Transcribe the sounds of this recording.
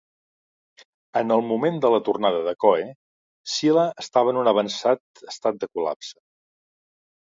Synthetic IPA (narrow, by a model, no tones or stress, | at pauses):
ənəlˠmumend̪ələt̪urnaðəðəkɔe | siləəst̪aβəːnunəβənsat̪əst̪at̪̚d̪əkula̰psə̥